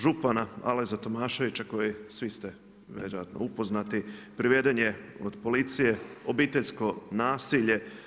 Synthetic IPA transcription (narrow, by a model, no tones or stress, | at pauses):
ʒupanaa̰lezat̪o̞maːʃo̞ʋit͡ʃako̞jesʋist̪e | ʋjḛɾojat̪no̞̰upo̞znat̪ipɾiʋe̞d̪eɲe̞od̪po̞lit̪sije̞obiːt̪e̞ʎsko̞naːsiʎe̞